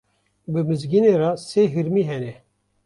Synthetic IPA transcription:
bɨmɨzɡineːɾɑseːɦɨɾmiːɦɛnɛ

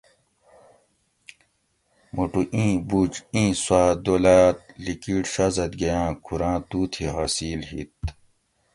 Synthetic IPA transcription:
muʈuʔĩːbuːt͡ɕĩːswaːd̪oːlaːt̪likiːʈɕɐzɐt̪ɡɐjãːkʰuɾãːt̪uːt̪ʰiɦaːsiːlɦḭt̪̚

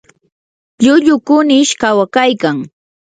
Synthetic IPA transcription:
ʎʊʎʊkʊnɪʃkawakajkaŋ

